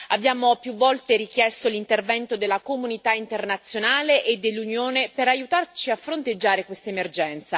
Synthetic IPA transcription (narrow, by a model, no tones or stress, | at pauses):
abjaːmopjuvːɔlt̪eɾik̟jɛst̪olint̪ervɛnt̪od̪elːakomunit̪aint̪ernat̪sːjonaːleʔed̪ːelːunjoːnepeɾajut̪art͡ʃiafɾont̪ed͡ʒːaːɾekwest̪aemerd͡ʒɛnt̪sa